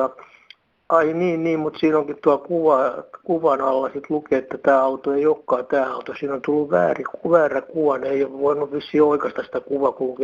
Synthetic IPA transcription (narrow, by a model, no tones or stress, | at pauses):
ɑ | ɑiniːnniːmmut̪siːnoŋkit̪t̪uɑlkuʋɑkuʋɑnɑlːɑsit̪lukeːet̪ːæt̪æːɑut̪oeioːkːɑːt̪æːɑut̪osiːnont̪ulːuʋʋæ̰ːrikuʋæːrækuʋɑneioʋʋoinuʋʋisːiːoikɑst̪ɑsi̥t̪ækuʋɑkulke